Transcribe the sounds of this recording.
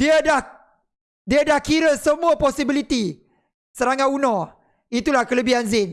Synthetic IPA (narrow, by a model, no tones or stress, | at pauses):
diadah | diadahkiɾəsəmũaposibilit̪i | səɾaŋãunɔ | it̪ulahkələbiɦanzɪn